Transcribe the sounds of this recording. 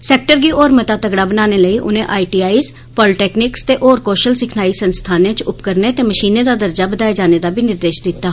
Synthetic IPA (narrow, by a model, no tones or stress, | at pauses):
sɛːk̚ʈəɾɡiːʔoːɾmət̪aːt̪əɡɽaːbənaːneːləiːʔʊnẽːʔaːiʈiːaːiːs | pɔːlɪʈɛːknɪkst̪eːʔoːɾkoːʃəlsɪkʰnaːiːsənst̪ʰaːnẽːt͡ʃʊpkəɾneːt̪eːməʃiːneːd̪aːd̪əɾd͡ʒaːbəd̪aːeːd͡ʒaːneːd̪aːbʱiːnɪɾd̪eːʃd̪ɪt̪ːaː